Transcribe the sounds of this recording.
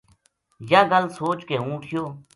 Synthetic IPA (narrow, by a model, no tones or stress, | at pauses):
jaːɡəlsoːt͡ʃkeːũːʈʰɪjoː